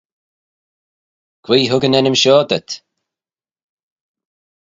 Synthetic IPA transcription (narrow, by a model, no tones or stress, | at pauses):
kʰwiːɦʊɡənɛnəmʃɔːd̪ət̪